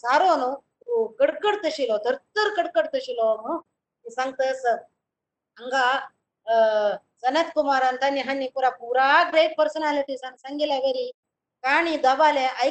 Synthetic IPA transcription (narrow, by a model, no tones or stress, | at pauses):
saɾonot̪ukəɽkəɽt̪əɕilod̪ʱəɾt̪əɾkəɽkəɽt̪əɕilomo | misaŋɡ̚t̪əs | əŋɡa | sənət̪kumaɾant̪anːiɦanːipuɾapuɾaɡɾeʈ̚pəɾsənaliʈiːsaŋsaŋɡilaʋeɾi | kaɽ̃id̪abaleʔaj